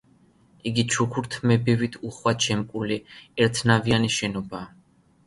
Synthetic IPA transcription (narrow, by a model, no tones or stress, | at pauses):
iɡit͡ʃʰukʰuɾt̪ʰmɛbivit̪ʰuχwat͡ʃʰɛmkʼuliɛɾt̪ʰnavianiʃɛnɔbaː